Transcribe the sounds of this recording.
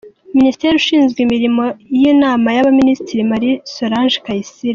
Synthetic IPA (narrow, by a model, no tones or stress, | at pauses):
ministe̞ɾiuʃiːnzɡwimiɾimo̞ijinaːmajaβaministiɾimaɾiso̞ɾaːnʒkajisiɾa